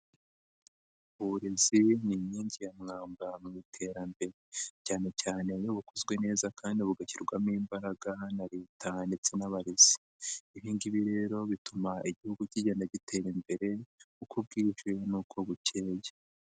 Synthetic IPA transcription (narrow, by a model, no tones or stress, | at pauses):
βuɾeziniɲiːɲɟijamŋaːmbamuitʰe̞ːɾambe̞ɾecaːne̞caːne̞joβukʰozɡwe̞ne̞ːzakʰaːndiβuɡaciɾɡwamiːmbaɾaɡanaɾeːtʰande̞t͡se̞naβaɾez̥i̥ | iβiːŋɡiβiɾe̞ɾo̞βitumaiɟihuɡuciɟanaɟitʰe̞ɾimbe̞ɾe̞ukʰubɡiːʒe̞nuːkʰo̞βucʰe̞ːɟe